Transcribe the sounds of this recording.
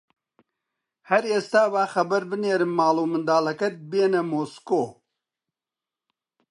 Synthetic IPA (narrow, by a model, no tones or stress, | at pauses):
hɐɾeːst̪aːvaːxɐbɐɾbɨneːɾɨmːaːluːmɨnd̪aːlɐkɐt̪̚beːnɐmoːskoː